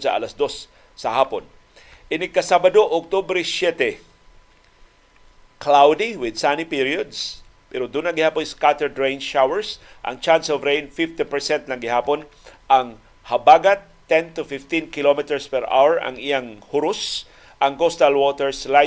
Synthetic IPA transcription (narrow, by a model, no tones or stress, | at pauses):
sɐ̰ʔa̰lasd̪osː | ɐhaːpon | ʔɪnɪɡ̚kɐsabɐd̪oʔʊk̚t̪ubɾɛsjɛt̪ɛ | klawd̪ɪwɪd̪sanipiɾiod̪s | pɛɾod̪unɐɡɪhaːponskat̪ɛɹdɹejnʃawɛɹsʔɐ̰ŋt͡ʃansovɾejnfɪft̪ɛpɛɹsɛnt̪lɐŋɡɪhaːpon | ʔɐŋ | hɐbaɡat̪ːɛnt̪ʊfɪft̪inkɪlomɪt̪ɛɹspɛɾʔa̰wɛɹʔɐ̰ŋɪjaŋhʊɾʊs | ʔɐŋɡost̪alwot̪ɛɹsla